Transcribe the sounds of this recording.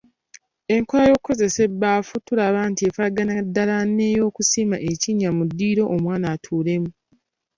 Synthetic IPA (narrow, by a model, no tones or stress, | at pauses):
e̞ŋko̞lajo̞kkːo̞ze̞se̞bːaːfutulaβaːntiefaɡanadːalanːe̞jo̞ːkusimaʔe̞ciɲamudːiːɾo̞ʔomwaːnaːtʰuːle̞mu